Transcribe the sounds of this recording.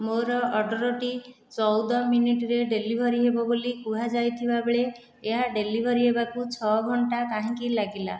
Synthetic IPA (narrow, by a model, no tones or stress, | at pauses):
moɾɔʔɔɖɔɾɔʈi | t͡ʃɔwd̪ɔminiʈɾeɖelibʱɔɾiɦebɔbolikuɦad͡ʒajt̪ʰibabeɭeː | ɦaɖelibʱɔɾiɦebakut͡ʃʰɔɡʱɔɳʈakaɦĩkilaɡila̰